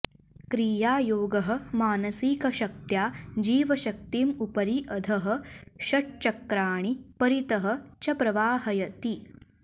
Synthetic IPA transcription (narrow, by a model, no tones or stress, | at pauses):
kɾiːjaːjoːɡɐɦɐ̆maːnɐsikɐʃɐk̚t̪jaːd͡ʒiːʋɐʃɐk̚t̪iːmupɐɾiʔɐd̪ʱɐɦɐ̆ʃɐʈ̚t͡ʃɐkɾaːɳ̃ipɐɾit̪ɐɦɐ̆t͡ʃɐpɾɐʋaːhɐjɐt̪i